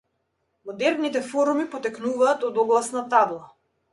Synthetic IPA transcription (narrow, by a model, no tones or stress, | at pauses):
mɔd̪ɛɾnit̪ɛfɔɾumipɔt̪ɛknuvaːt̪ɔd̪ɔɡlˠasnat̪ablˠa